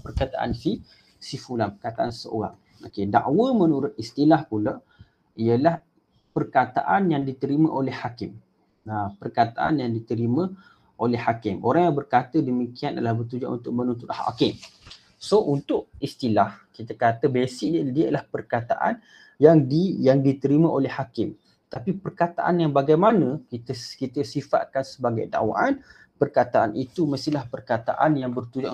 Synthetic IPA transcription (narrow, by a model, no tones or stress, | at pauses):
pərkat̪aʔa̰nfi | sifulanpərkat̪aʔansəo̰ɣa̰ŋ | okeda̰ʔwəmənuɾʊt̪̚ist̪ilahpula | ijəlah | pərkat̪a̰ʔanjaŋdit̪əɾimə̃ʔolɛhhakɪm | apərkat̪a̰ʔa̰njaŋdit̪əɾimə̃ | ʔolɛhːakɪmoɾaŋjaŋbərkat̪ədəmikiana̰lahbət̪̬ud͡ʒa̰ʔṵnt̪ʊʔ̚mənunt̪ʊt̪ha̰a̰kɪŋ | sount̪ʊʔ̚ist̪ilahkit̪əkat̪əbesɪʔndiəlahpərkat̪a̰ʔa̰n | jaŋdijaŋdit̪əɾimə̃ʔolɛhakɪm | t̪apipərkat̪a̰ʔa̰njaŋbaɡajmanə̃kit̪əkit̪əsifa̰t̪̚kansəbaɡajda̰wa̰ʔan | pərkat̪aʔa̰nʔit̪uməst̪ilahpərkat̪a̰ʔanjaŋbərt̪ud͡ʒaʔ